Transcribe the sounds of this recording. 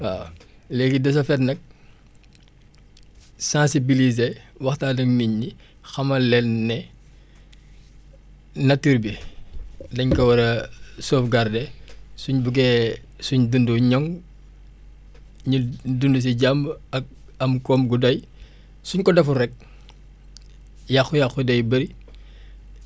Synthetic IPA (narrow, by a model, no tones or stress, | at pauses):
aːlɛɡidɐs̬ɐfɛtnɐk̚ | sãːsibilizewɐxtaːdɐŋmiɲːi | xɐmɐlɛlnɛ | nɐtiɾbi | dɐɲkɐwɐɾɐsoːfɡardɛsuɲbuɡɛ | suɲdunduɲɔŋ | ɲidundus̬iɟambɐk̚ | ɐmkɔmɡudɐj | suɲkɔdɐfuɾɛk̚ | jaxujaxudɐjbɐɾi